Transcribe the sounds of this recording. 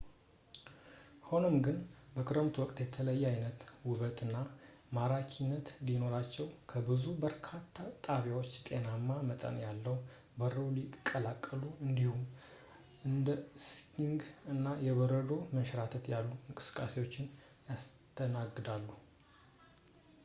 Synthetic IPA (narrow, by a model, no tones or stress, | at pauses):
ho̞nəmɡɨnbəkʰɨɾəmt̪ʰwɔkʼt̪jɛt̪ʰələjːɛajnət̪wʊβət̪ʼɨnːa | maɾakʰinːət̪lino̞ɾat͡ʃːɛwkʰəbɨzubəɾkʰat̪ʰːat̪ʼaβjawot͡ʃːt̪ʼe̞namːamət̪ʼə̰njalːəw | bəɾolikʼːəlakʼːəluɨnd̪ihum | ɨnd̪əskʰiŋɡɨnːajɛβəɾəd̪o̞məʃɾat̪ʰət̪jalːuɨŋkʼɨ̥sɨ̥kʼːase̞wo̞t͡ʃːɪn | jast̪ʰənaɡːɨd̪alːu